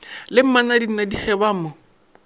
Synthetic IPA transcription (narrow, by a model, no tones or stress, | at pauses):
lɪm̩manadin̩nadik͡xʰɛbamʊ